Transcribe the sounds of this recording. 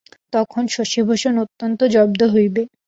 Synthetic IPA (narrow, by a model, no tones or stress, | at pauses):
t̪ɔkʰonʃoʃibʱoʃonot̪ːont̪od͡ʑɔb̚d̪oɦojbe